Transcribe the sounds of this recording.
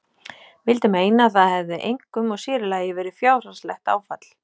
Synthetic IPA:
vɪlt̪ɪmeːjnaːθaðhɛvðɪʔejŋkʏmɔɣsɪːɾɪlaːjɪvɛːɾɪfjaːwranslɛxt̪a̰ːwfat̪l̥

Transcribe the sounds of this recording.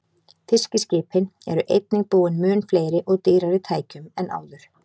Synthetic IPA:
θɪscɪscɪːpʰɪnɛ̰ɾʏʔejt̪nɪŋpuːwɪnmʏːnfleːjɾɪʔɔɣt̪iːɾaɾɪt̪ʰaːjcʏmɛnʔa̰ːwðʏɾ̥

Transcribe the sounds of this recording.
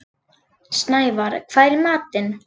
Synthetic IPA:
snaːjvaɾ̰kʰv̥aːjɾɪmaːt̪ɪn

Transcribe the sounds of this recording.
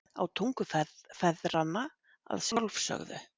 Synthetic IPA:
a̰wt̪ʰuŋkʏfɛfɛðɾanːa | a̰ðsɔlvsœ̰ɣðʏ̰

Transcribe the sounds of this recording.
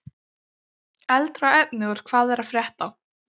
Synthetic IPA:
ɛlt̪ɾawɛp̚nɪɣʏɾ̥kʰv̥aːðɛɾaðfɾjɛht̪aw

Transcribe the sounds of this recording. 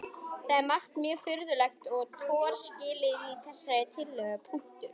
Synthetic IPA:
θaɛmaht̪mjœːɣfʏɾðʏlɛxt̪ɔɣt̪ʰɔːɾ̥scɪːlɪiθɛsːajɪt̪ʰɪlːœːɣapʰujn̥t̪ʏɾ̥

